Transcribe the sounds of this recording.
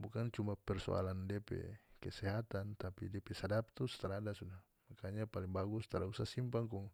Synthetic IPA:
bukant͡ʃumbapɛrsɔ̰a̰landiapɛ̰kɛsɛɦat̪ant̪apḭdiapɛsadap̚t̪usə̥t̪aɾaadasudah | makaɲapaliŋbaɡust̪aɾausasimpaŋkuŋ

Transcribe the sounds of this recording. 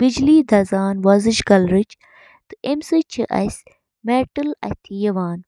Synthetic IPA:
bid͡ʒliːd̪ʱɐzaːnʋɐzɨʃɡɐlɾɨt͡ʃ | t̪ɨemsɨt͡ʃʰiʔɐ̰sʲ | meːʈɨlɐ̰t̪ʰijɐʋaːn

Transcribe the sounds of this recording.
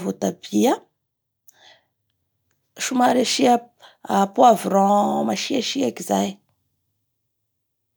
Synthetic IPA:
vot̪ab̥ia | ʃumaɾaʃiaapwavɾɔ̃maʃiaʃiakizaj

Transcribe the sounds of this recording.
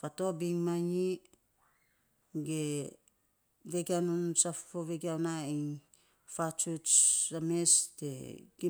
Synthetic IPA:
fatobiŋmaɲi | ɡe | veɡianunsafoveɡiawnain | fat͡ʃut͡ʃamesteɡi

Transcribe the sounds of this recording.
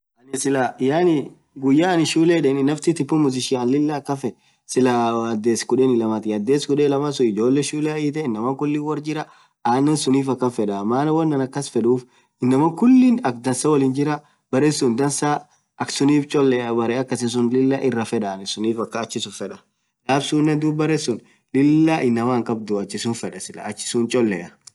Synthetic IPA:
ʔɐnɪsɪlajaːnɪ | ɡʊjːaːɐnɪʃuːleːᶑɛnɪnːɐft̪ɪt̪ɪpːʊmʊzɪʃɪɐnlɪlːɐːkːɐfɛ | sɪlɐɐd̪ːeːskʊᶑɛnɪlɐmɐt̪ɪjɐd̪ːeːskʊᶑɛlɐmɐsʊɪd͡ʒo̞ːlːɛʃuːlɛiːt̪ɛɪnːɐmɐkʊlːiwɐɾd͡ʒɪɾɐ | aːnːɛsʊniːfɐkːɐfɛᶑɐmaːnɐwɐnːɐnɐkːɐsfɛᶑuːf | ɪnːɐmɐkʊlːinɐk̚d̪ɐnsɐwɐliːnd͡ʒɪɾɐ | bɐɾɛsʊnd̪ɐnsɐ | ʔɐksʊniːft͡ʃʼɔlːɛɐbɐɾɛɐkːɐsɪns̬ʊnlɪlːɐʔɪrːɐfɛᶑɐːnɛsʊniːfɐkːɐːt͡ʃːɪsʊfɛᶑɐ̥ | laːbsuːnːɛd̪uːbbɐɾɛsʊn | lɪlːɐʔɪnːɐwaːŋkʼɐbd̪ʊɐt͡ʃːɪsʊnfɛᶑɐsɪlɐ̰ːt͡ʃːɪ̥sʊnt͡ʃʼɔlːɛʔɐ

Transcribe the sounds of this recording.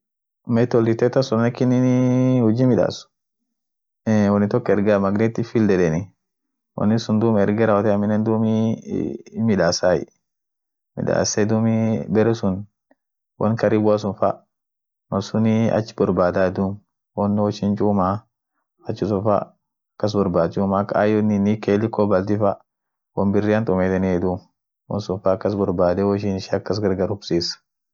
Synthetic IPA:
mɛtɔlditɛtasunnakininiwud͡ʒimiɗa̰su̥ | ɛwɔnitɔkːɛɾɡamaɡnetifildɛɗɛni | wɔ̰nisundumɛɾɡɛɾawɔtɛaminɛndumi | miɗasajḭ | mḭɗa̰sadumibɛɾɛsun | wɔ̰nkaɾibuas̬unfa̰ | mɐsuniɐ̰t͡ʃːɪ̥bɔɾbaːd̪aɛd̪um | wɔnːɔʃint͡ʃuːmaː | t͡ʃːɪs̬ʊfa̰ | kːɐs̬bɔɾbaːt͡ʃumakaajɔninikelɪkɔbɐlt̪ifa | wɔnbɪrːiant̪ɔmet̪ɛniɛd̪um | wɔ̰nsʊnfaːkːɐs̬bɔɾbaːd̪ɛwɔʃ̬inʃakːɐs̬ɡɐɾɡɐɾʊbsiːs

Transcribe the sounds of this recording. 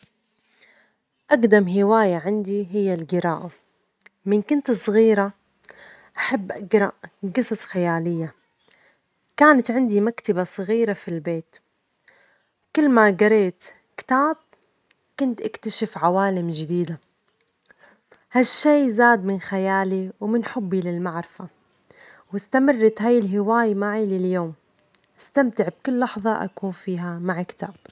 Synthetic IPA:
ʔaɡd̪amɦɪwaːjaʕɪnd̪iɦɪjːalɡɪɾaːʔa | mɪnkʊnt̪ɨsˤɣiːɾa | ʔaħabːʔaɡɾˤɑʔɡɨsˤɑsˤxajaːlɪjːa | kaːnat̪ʕɪnd̪imakt̪abasˤɑɣiːɾafilbeːt̪ | kʊlːmaɡɑɾˤeːt̪ | kɪ̥t̪aːb̥̚ | kʊnt̪ʔakt̪aʃɪfʕawaːlɪmd͡ʒɪd̪iːd̪a | haʃːeːzaːd̪mɪnxajaːliwmɪnħʊbːilɪlmaʕɾɪfa | wɪst̪amɪrˤːɑt̪ɦajɪlɦɪwaːjmaʕilɪljoːm | ʔɪst̪amt̪ɪʕb̚kʊlːɑħðˤɑʔa̰kuːnfiːɦamaʕkt̪aːb̥̚

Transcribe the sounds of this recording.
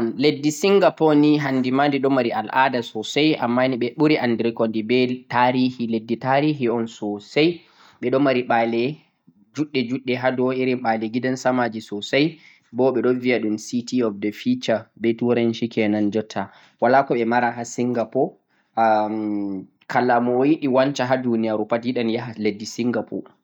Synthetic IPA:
nledːisiŋɡapɔniɦandimandiɗɔmaɾialʔa̰dasɔsaja̰mːaniɓɛɓuɾiʔandɾikɔndibɛtaɾiːhiledːitaɾiːɦiɔnsɔsaj | ɓɛɗɔmaɾiɓalɛ | d͡ʒuɗːɛd͡ʒuɗːɛɦadɔiɾiɓalɛɡidansamad͡ʒisɔsaj | bɔɓɛɗɔvijaɗumsitiɔfdɛfit͡ʃabɛtuɾanʃikɛnand͡ʒɔtʰːa | walakɔɓɛmaɾaɦasiŋɡapɔ | kalːamɔjiɗiwant͡ʃaɦadunijaɾupadiɗanjaɦaledːisiŋɡapʰɔ̰

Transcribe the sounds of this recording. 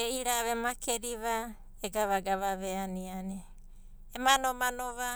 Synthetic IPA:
eiɾaβemakʰeɾiβa | eɡaβaɡaβaβeanianeː | manomanoβa

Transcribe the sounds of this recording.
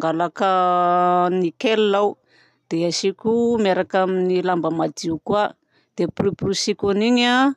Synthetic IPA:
ŋɡalakə | nikellaw | d̪̥eaʃikʲumeɾakaminilambəmad̪iukua | d̪̥epriprusikʲuniɲa

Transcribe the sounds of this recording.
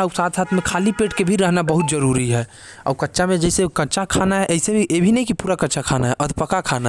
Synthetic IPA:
aʊpsaːt̪saːt̪ʰmẽkʰaːlipeːʈkebʱiɾəɦnabəɦut̪d͡ʒəɾuɾiɦɛː | ɔ̰ːɾkətːʃamẽd͡ʒɛɪsekətːt͡ʃakʰanaɦɛʔɛɦɪsebʱiʔebʱinəɦĩkipuːɾakɐːt͡ʃʰakʰaːnaɦɛʔɐd̪ʱpəkakʰaːna

